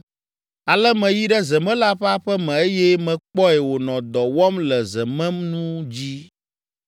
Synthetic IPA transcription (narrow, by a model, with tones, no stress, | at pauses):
a˨lɛ˦mɛ̃˨ji˦ɖɛ˦zɛ˨mɛ̃˦la˦ɸɛ˦a˦ɸɛ˦mɛ̃˨e˦jɛ˦mɛ̃˨k͡pɔ˦ɛ˨wo˨nɔ̃˨d̪ɔ˨wɔ˦mlɛ˨zɛ˨mɛ̃˦mnũ˦d͡ʑi˦